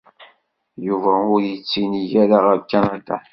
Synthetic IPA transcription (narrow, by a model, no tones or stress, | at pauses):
juvæʊɾjət͡sːiniʝæɾaʁəvkːænat̪a̰